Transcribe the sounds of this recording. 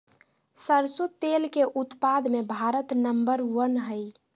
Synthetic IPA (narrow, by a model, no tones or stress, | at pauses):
səɾsut̪elkeʔut̪pad̪mebʱaɾət̪nəmbəɾwənɦəj